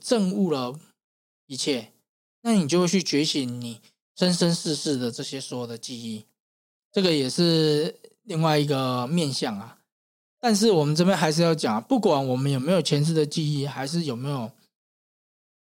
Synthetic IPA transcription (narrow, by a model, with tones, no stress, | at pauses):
ʈ͡ʂə˥˧ŋu˥˩lə˨ | i˧˥t͡ɕʰjɛ˥˩ | na˥˩˨ni˨˩t͡ɕo˥˧xwe˥˧˩t͡ɕʰy˥˩t͡ɕɥɛ˧˥ɕi˧˦nni˨˩˦ | ʂə˦nʂə˦nʂɻ̩˥˧ʂɻ̩˥˩d̪ə˩ʈ͡ʂɤ˥˩ɕjɛ˦˥swɔ˧˥jo˨˩d̪ə˩t͡ɕi˥˧i˥˩ | ʈ͡ʂɤ˥˩ɡə˨jɛ˨˩ʂɻ̩˥˧li˥˧ŋwa˥˩ɪi˧˥ɡə˨mjɛ˥˧nɕjɑ˥˩ŋa˨ | t̪a˥˧nʂ̬ɻ̩˥˩wɔ˨˩mə˨nʈ͡ʂɤ˥˧p̬jɛ˥˨nxa˧ɪʂ̬ɻ̩˥˧jɑ˥˩ʊt͡ɕjɑ˨˩ŋa˩pu˥˩kwa˨˩nwɔ˨˩mə˦njo˨˩me˧˥ɪjo˨˩ʊt͡ɕʰjɛ˧˥nʂɻ̩˥˩d̪ə˨t͡ɕi˥˧i˥˩xa˧˥ɪʂ̬ɻ̩˥˩jo˨˩ʊme˧˥ɪjo˨˩ʊ